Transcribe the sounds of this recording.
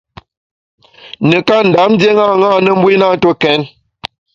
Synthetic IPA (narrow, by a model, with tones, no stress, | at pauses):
nə˨ka˦n̩˨da˨˦m˦dje˦ŋa˦˨ŋaː˦˨nə˦m˦bwi˦na˦˨˦to˦kɛ˨˦n